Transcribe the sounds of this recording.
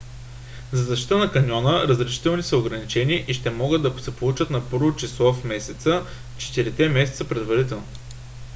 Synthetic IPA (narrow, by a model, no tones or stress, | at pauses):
zɐzɐʃ̬t̪i̥t̪ənɐkɐnʲɔnəɾəzɾɛʃi̥t̪ɛlˠnisəoɡɾɐnit͡ʃɛniʔiʃt̪ɛmɔɡəd̪d̪ɐsɛpolˠut͡ʃət̪nɐpɤɾvot͡ʃislˠɔfmɛsɛt̪sə | t͡ʃɛ̥t̪iɾit̪ɛmɛsɛ̥t̪səpɾɛd̪vɐɾit̪ɛlˠno